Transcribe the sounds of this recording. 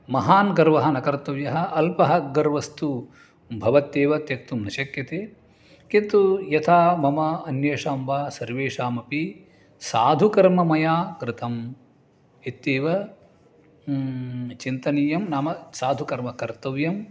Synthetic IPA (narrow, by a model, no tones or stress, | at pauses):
mɐɦaːnɡɐɾʋɐɦɐnɐkɐɾt̪ɐʋjɐɦɐ̆ʔɐlpɐɦɐɡɐɾʋɐst̪u | bʱɐʋɐt̪ːeːʋɐt̪jɐk̚t̪umnɐʃɐkjɐt̪eː | kit̪ujɐt̪ʰaːmɐmɐɐnjeːʂaːmʋaːsɐɾʋeːʂaːmɐpi | saːd̪ʱukɐɾmɐmɐjaːkɾɪt̪ɐm | et̪ːeːʋɐ | t͡ʃint̪ɐnijɐmnaːmɐsaːd̪ʱukɐɾmɐkɐɾt̪ɐʋjɐm